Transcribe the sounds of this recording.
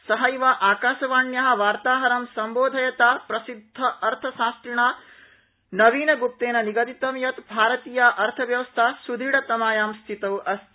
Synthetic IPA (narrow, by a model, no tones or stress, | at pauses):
sɐɦɐjʋaːʔaːkaːʃɐʋaːɳjɐɦɐ̆ʋaːɾt̪aːɦɐɾɐmsɐmboːd̪ʱɐjɐt̪aːpɾɐsid̪ʱːɐʔɐɾt̪ʰɐsãːskɾiɳaː | nɐʋiːnɐɡup̚t̪eːnɐniɡɐd̪it̪ʋɐmjɐt̪bʱaːɾɐt̪iːjaʔɐɾt̪ʰɐʋjɐʋɐst̪ʰaːsud̪ʱiɽɐt̪ɐmaːjaːmst̪ʰit̪ɐwɐs